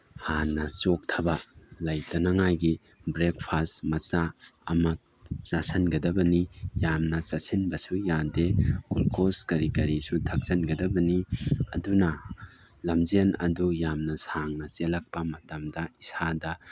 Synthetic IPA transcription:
hanːɐsok̚tʰɐbɐlajtɐnɐŋajɡi | bɾek̚pʰastmɐsaɐmɐ | sasɐnɡɐdɐbɐnijamnɐsasinbɐsujadekulkoskɐɾikɐɾisutʰɐk̚zɐnɡɐdɐbɐniɐ̰dunɐ | lɐmzenɐ̰dujamnɐsaŋnɐselɐk̚pɐmɐtɐmdɐisadɐ

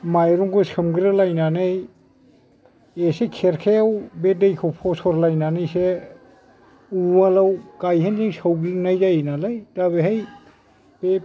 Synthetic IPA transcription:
majɾuŋkʰɯsɯmɡiɾɯlajnanej | esekʰeɾkʰeawbedejkʰɔpʰɔsɔɾlajnanɯjse | ualawkajɦenziŋsawɡɾnajzajnalajtabeɦaj | pe

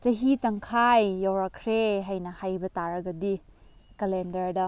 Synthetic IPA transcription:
t͡ʃɐɦitɐŋkʰajːawɾɐkʰɾeɦajnɐhajbɐtaɾɐɡɐdikelendɐɾdɐ

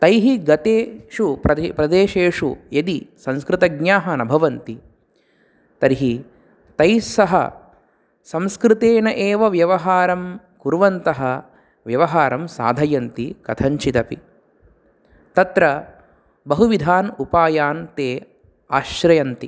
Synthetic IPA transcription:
t̪ɐjɦiɡɐt̪eːʂupɾɐpɾɐd̪eːʃeːʂṵjɐd̪isɐ̃nskɾɪt̪ɐɡɲjaːɦɐnɐbʱɐʋɐnt̪i | t̪ɐɾiɦi | t̪ɐjsɐɦɐ̰ | sɐ̃mskɾɪt̪eːnɐʔeːʋɐʋjɐʋɐɦaːɾɐm | kuɾʋɐnt̪ɐɦɐ | ʋjɐʋɐɦaːɾɐmsa̰ːd̪ʱɐjɐnt̪ikɐt̪ʰɐɲt͡ʃit̪ɐpḭ | t̪ɐt̪ɾɐ | bɐɦuʋid̪ʱaːnupaːjaːnt̪eː | aːʃɾɐjɐnt̪i

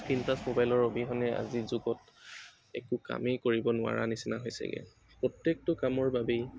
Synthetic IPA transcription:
pintasmobajlɔɹobiɦɔnɛa̰zizuɡɔt | ɛ̰kʊka̰mekoɹibɔnʊa̰ɹa̰nisinaɦojsɛ̰ɡɛ̰ | pɹɔtjek̚tʊkamɔɹbabej

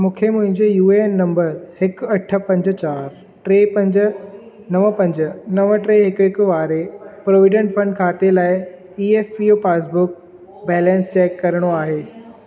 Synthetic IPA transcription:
mũːkʰemʊ̃ɦɪ̃ɲd͡ʑejuːennɐ̃mbəɾhɪkɐʈʰə̆pɐ̃ɲd͡ʑət͡ɕaːɾ | ʈɾeːpɐ̃ɲd͡ʑə̆ | nɐʋəpɐ̃ɲd͡ʑənɐʋəʈɾeːɦɪkɦɪkʊ̆ʋaːɾepɾoːʋɪɖə̃ɳʈfɐ̃ɳɖkʰaːt̪elaːɪ | iːeːfpioːpaːs̬bʊk̚ | bɛːlɛ̃nst͡ɕɛːkːɐɾəɽ̃oaːɦeː

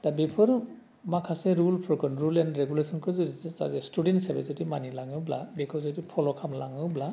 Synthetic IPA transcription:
d̥abepʰɯɾ | makʰaseɾulpʰɔɾkʰɯnɾulenɾeɡulesʰɔnkʰɯzɯisa̰zestudentsabezɯtimanilaŋɯwbla̰bekʰɔwzɯtipʰɔlɔkʰamlaŋɯwbla

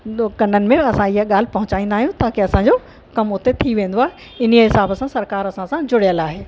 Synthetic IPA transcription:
kɐnənɪ̆mẽɐsãɪɦaɠaːl̤ɪpɐɦʊ̃t͡ɕaːĩːnd̪aːɦijũt̪aːkeɐsãd͡ʑo | kɐmʊt̪et̪ʰiʋẽːnd̪oaːɦe | ɪn̤ijəɦɪsaːbəsãsɐɾkaːɾɐsãsãd͡ʑʊɽijəlaːɦeː

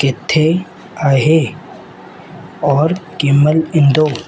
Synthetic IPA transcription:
ket̪ʰːe | aːɦe | ɔːɾkiməlɪnd̪oː

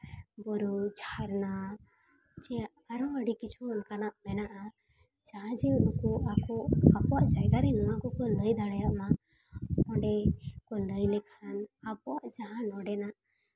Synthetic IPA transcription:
bɔɾud͡ʒʰʱaɾna | d͡ʒɛ | aɾɔəɽikit͡ʃʰuɔnkanaʔmɛnaʔa | d͡ʒaɦãd͡ʒɛukɔʔakɔakɔwaʔd͡ʒajɡaɾinɔwakɔkɔləjd̪aɽajaʔma | ɔɳɖɛkɔləjlɛkʰanabɔaʔd͡ʒaɦãnɔɖɛnaʔ

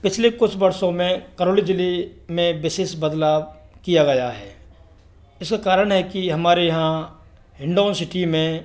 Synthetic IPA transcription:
pɪt͡ʃʰlekʊt͡ʃʰbɐɾsõmẽkɐɾoːlid͡ʒɪlemẽbɪseːʃbɐd̪laːbkijaɡɐjaɦɛ̰ː | ɪskakaːɾəɽ̃ɦɛkiɦɐmaːɾejɐɦã | ɦɪ̃ɳɖoːnsɪʈimẽ

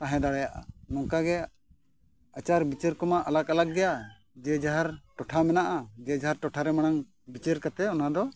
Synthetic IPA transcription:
t̪ãɦɛ̃d̪aɽajaʔa̰nɔŋkaɡɛ | at͡ʃaɾbit͡ʃəɾkɔmaʔalakalak̚ɡɛja | d͡ʒɛd͡ʒaɦaɾʈɔʈʰamɛnaʔad͡ʒɛd͡ʒaɦaɾʈɔʈʰaɾɛmaɽ̃aŋ | bit͡ʃeɾkat̪ɛɔnad̪ɔ

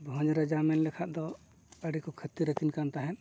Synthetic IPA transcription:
bʱɔ̃d͡ʒɾad͡ʒamɛnlɛkʰaʔd̪ɔ | əɽikɔkʰət̪iɾəkʰinkant̪aɦɛn

